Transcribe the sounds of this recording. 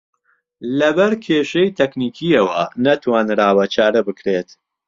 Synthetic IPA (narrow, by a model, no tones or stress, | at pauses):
lɐbɐɾkʰeːʃejt̪ʰɛkniːkʰiɐwɐnɐt̪waːnɾaːwɐt͡ʃʰaːɾɐbɨkɾeːt̪